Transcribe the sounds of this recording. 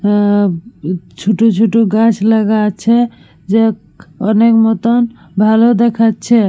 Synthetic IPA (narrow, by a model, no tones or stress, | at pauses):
t͡ʃʰuʈut͡ʃʰuʈuɡãt͡ʃʰləɡat͡ʃʰɛ | d͡ʒek | ɔnekmɔt̪ɔn | bʱalod̪ekʰat͡ʃʰɛ